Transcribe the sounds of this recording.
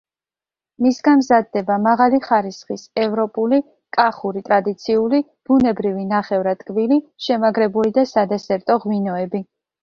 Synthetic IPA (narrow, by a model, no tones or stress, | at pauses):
misɡanmzad̪̚ːɛbamaʁaliχaɾisχisɛvɾɔpʼuli | kʼaχuɾit̪ʼɾad̪it̪sʰiuli | b̥unɛbɾivinaχɛvɾat̪ʼkʼviliʃɛmaɡɾɛbulid̪asad̪ɛsɛɾt̪ʼɔʁminɔɛbi